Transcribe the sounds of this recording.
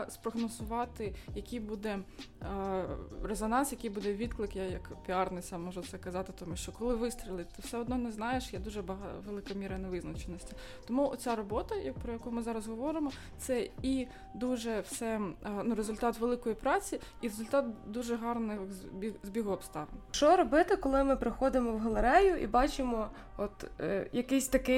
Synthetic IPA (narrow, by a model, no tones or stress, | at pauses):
spɾɔɦnɔzʊʋɑt̪ɪjɐkʲijbud̪ɛ | ɾezɔnɑnsjɐkijbud̪ɛʋʲid̪klˠɪkjajɐkpʲiɑrnɪsɑmmːɔʒɛt̪sɛkɐzɑt̪ɪt̪ɔmʲiʃt͡ʃɔkɔlˠɪʋɪst̪ɾʲɪlˠɪt̪ɪwsɛɔd̪nɔnɛznɑjeʃjɛd̪uʒɛbɐɦɑʋelˠɪkɐmʲiɾɐnɛʋɪznɐt͡ʃenɔsʲtʲi | t̪ɔmuɔt͡sʲaɾɔbɔt̪ɐjɐpɾɔjɐkumɪzɑɾɐzɦɔʋɔɾɪmɔ | t̪sɛi | d̪uʒɛwsɛnuɾezʊlʲt̪ɑt̪ʋelˠɪkɔjipɾɑt͡sʲi | iɾezʊlʲt̪ɑt̪̚d̪uʒɛɦɑrnɪxʲizʲbʲiɦɔpst̪ɑʋ̰nt͡ʃɔɾɔbɪt̪ɪkɔlˠɪmɪpɾɪxɔd̪ɪmɔwɦɔlˠeɾɛjʊʔḭbɑt͡ʃɪmɔ | ɔt̪jɐkɪsʲt̪ɐkɪ